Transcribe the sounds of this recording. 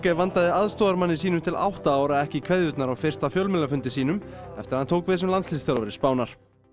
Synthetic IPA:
kɛvant̪aðɪaðst̪ɔːðaɾmanːɪsiːnʏmt̪ʰɪlʔa̰wht̪aaːwɾaɛhcɪkʰv̥ɛðjʏt̪naɾawfɪr̥st̪afjœlmɪlːafʏnt̪ɪsiːnʏmɛ̰ft̪ɪɾhant̪ʰoːwkvɛːsɪmlanslinst̪alavɛɾɪspaːwnaɾ̥

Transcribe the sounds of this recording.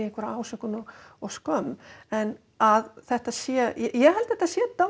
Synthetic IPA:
ehkvaɾaaːwsœhkʏnɔɣ | ɔɣskœmɛn | aðθɛht̪aðsjɛjɛjɛɣɦɛlt̪ɪθɛht̪asjɛt̪a

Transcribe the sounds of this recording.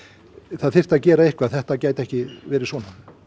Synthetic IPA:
θaðθɪr̥t̪aðcɛːɾaɪhkvaðθɛht̪acaːjt̪ɛhcɪvɛːɾɪsvɔːna

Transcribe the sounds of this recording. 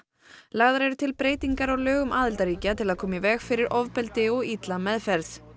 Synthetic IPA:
laɣðaɾɛɾʏt̪ʰɪlpɾeːjt̪iŋkaɾaɣlœːɣʏmʔaːðɪlt̪aɾiːcat̪ʰɪlaðkʰɔːmɪvɛːɣfɪɾɪɾʔɔvpɛlt̪ɪɔɣit̪lamɛðfɛɾθ

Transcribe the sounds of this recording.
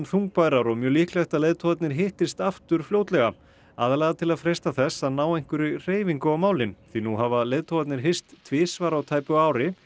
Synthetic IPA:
mθuŋk̚pajɾaɾɔmjœːliːhklɛht̪aleːjðt̪ʰovat̪nɪɾ̥ɦɪht̪ɪst̪aft̪ʏɾ̥fljoːwt̪lɛɣa | a̰ːðalaɣat̪ʰɪlaðfɾɛjst̪aθɛsːaðnaːwejŋ̥kʏɾɪr̥eːjviŋkʏawmaːwlɪnθinuɦavaleːjðt̪ʰovat̪nɪɾ̥ɦejst̪ʰːvɪːsvaɾawt̪ʰaːjpʏaːwɾɪ

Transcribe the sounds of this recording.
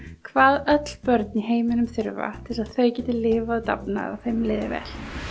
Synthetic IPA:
kʰvaːðœt̪l̥pœɾt̪̚niɦeːjmɪnʏmθʏɾva̰t̪ʰɪlsaðθœɥcɛːt̪ɪlɪːvaaðt̪a̰pna̰ða̰θejmlɪːðɪ̰vɛ̰ːl̥

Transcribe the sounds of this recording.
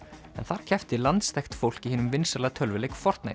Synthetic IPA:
ɛ̰nθaɾ̥cʰɛft̪ɪlant̪st̪ʰɛxt̪fowl̥cihiːnʏmvɪnsalat̪ʰœlvɪlejkfɔr̥t̪na̰

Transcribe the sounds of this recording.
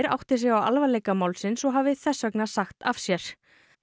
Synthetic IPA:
ɾa̰wht̪ɪsjɛɣawa̰lvaɾlejkamawlsɪnsɔɦavɪθɛsːœknasaxt̪afsjɛɾ̥

